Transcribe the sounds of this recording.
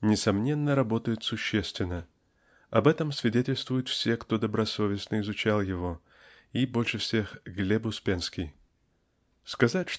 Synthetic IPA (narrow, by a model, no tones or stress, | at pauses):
nʲɪsɐmnʲe̞nːəɾɐbo̞t̪əjɪt̪sʊɕːesʲt̪vʲɪnːə | ɐbɛt̪əmsvʲɪdʲetʲɪlʲst̪vʊjʊt̪fsʲe̞kt̪o̞d̪əbɾɐso̞vʲɪsnəɪzʊt͡ɕalˠjɪvo̞ | ibo̞lʲʂɨfsʲe̞xɡlʲebʊspʲenskʲɪj | skɐzatʲʂ